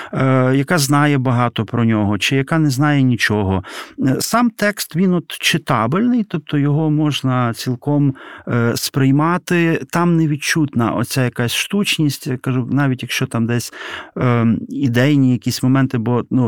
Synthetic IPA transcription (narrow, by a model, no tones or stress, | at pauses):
jɐkɑznɑjɛbɐɦɑt̪ɔpɾɔnʲɔɦɔt͡ʃɪjɐkɑnɛznɑjɛnʲit͡ʃɔɦɔsɑmt̪ɛkst̪ʋʲinɔt̪t͡ʃɪt̪ɑbɪlʲnɪjt̪ɔp̚t̪ʰɔjɔɦɔmɔʒnɐt͡sʲilˠkɔm | spɾɪjmɑt̪ɪt̪ɑmnɛʋʲid̪̚t͡ʃut̪nɐ̰ʔɔ̰t͡sʲajɐkasʲʃt̪ut͡ʃnʲisʲtʲkɐʒunɑʋʲitʲjɐkʃt͡ʃɔt̪ɑmd̪ɛsʲ | id̪ɛjnʲijɐkʲisʲmɔmɛnt̪ɪbɔnu